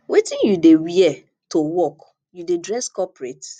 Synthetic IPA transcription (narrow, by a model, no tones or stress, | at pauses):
wʔetĩnjudewiɛ | towɔk | judedɹɛskɔpɹet